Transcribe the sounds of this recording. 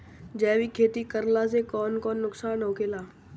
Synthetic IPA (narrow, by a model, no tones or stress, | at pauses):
d͡ʒɛːʋikʰeːt̪ikəɾlas̬ekɔːnkɔːnːʊksaːnɦoːkʰelaː